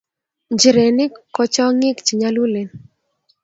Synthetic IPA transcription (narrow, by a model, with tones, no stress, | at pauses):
d͡ʒi˨ɾe˨nɪ˦kɔ˦t͡ʃɔ˦ŋɪ˦kt͡ʃi˨ɲa˦lu˦le˨n